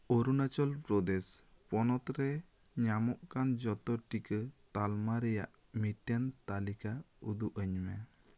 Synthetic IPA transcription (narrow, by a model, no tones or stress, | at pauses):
oɾunat͡ʃɔlpɾɔd̪espɔnɔt̪ɾɛ | ɲamɔʔkand͡ʒɔt̪ɔʈikət̪almaɾɛja̰ʔ | miʈɛnt̪alika | ud̪uʔəɲma